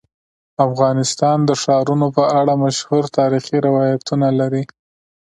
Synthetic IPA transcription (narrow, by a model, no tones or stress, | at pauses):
afɣɑnɪst̪ɑnd̪əʂɑɾunopəʔaɽamaʃhuɾt̪ɑɾixiɾɪwɑjat̪unalaɾi